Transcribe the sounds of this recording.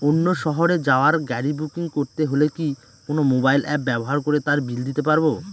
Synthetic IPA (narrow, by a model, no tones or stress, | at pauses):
onːoʃɔɦoɾed͡ʑaoaɾɡɛɾibukiŋkoɾt̪eɦoleki | konomobajlɛp̚bɛboɦaɾkoɾet̪aɾbild̪it̪epaɾbo